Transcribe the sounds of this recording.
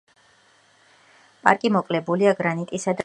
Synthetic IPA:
pʼa̰ɾkʼimɔkʼlɛbuliaɡɾanit̪ʼisad̪

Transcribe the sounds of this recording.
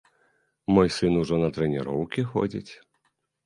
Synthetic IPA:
mɔjsɨnuʐɔnɐt̪ɾɛnʲiɾɔwkʲixɔ̰d͡zʲḭt͡sʲ

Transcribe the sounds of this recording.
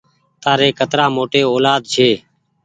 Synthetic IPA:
t̪aːɾeːkət̪ɾaːmoːʈeːoːlaːd̪̚d͡ʒʰeː

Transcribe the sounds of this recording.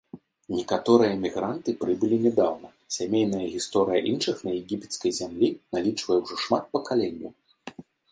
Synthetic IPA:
nʲɛkat̪ɔɾɨjɐmʲiɣɾant̪ɨpɾɨbɨlʲinʲɛd̪awnɐ | sʲamʲejn̪ɐjɐɣʲist̪ɔɾɨjɐʔinʂɨxnɐjɛɣʲipʲɛ̥t̪skɐjzʲamlʲinalʲit͡ʂvɐjɛwʐɔʂmat̪̚pɐkalʲɛnʲːṵ

